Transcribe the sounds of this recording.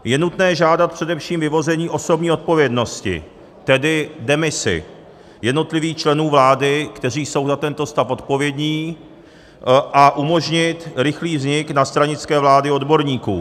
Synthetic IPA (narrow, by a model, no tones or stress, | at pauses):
jɛnut̪nɛːʒaːdat̪̚pr̥ɛdɛfʃiːmvɪvo̞zɛɲiːʔo̞so̞bɲiːo̞t̪̚po̞vjɛdno̞scɪ̰ | t̪ɛdɪdɛmɪsɪ̰ | jɛdno̞t̪lɪviːxt͡ʃlɛnuːvlaːdɪkt̪ɛriːso̞wzat̪ɛnt̪o̞st̪afo̞t̪̚po̞vjɛdɲiː | ʔaʔumo̞ʒɲɪt̪ɾɪxliːvzɲɪknast̪ɾaɲɪt͡skɛːvlaːdɪo̞dbo̞ɾɲiːkṵː